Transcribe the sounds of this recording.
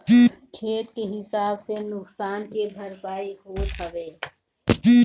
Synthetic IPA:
kʰeːt̪keɦɪsaːbsenʊksaːnkebʱɐɾpaːiɦoːt̪ɦɐʋeː

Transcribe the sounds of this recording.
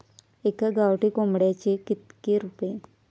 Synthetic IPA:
ekaɡawʈikomɽat͡ʃekɪt̪keɾupe

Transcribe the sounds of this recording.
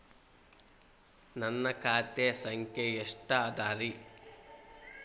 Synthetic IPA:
nɐnːɐkʰaːt̪esɐŋkʰjejeʂʈaːd̪aːɾi

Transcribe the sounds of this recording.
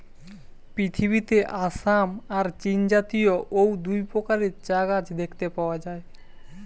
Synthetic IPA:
pɾit̪ʰiβit̪eʔasamaɾt͡ɕind͡ʑat̪ijoʔowd̪ujpɾokaɾeɾt͡ɕaɡad͡ʑd̪ekʰt̪epaoad͡ʑae

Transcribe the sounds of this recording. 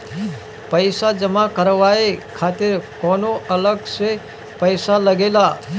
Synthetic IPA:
pəɪsad͡ʒəmakəɾʋaekʰaːt̪ɪɾkɔːnoʔələɡse | pəjsaləɡeːla

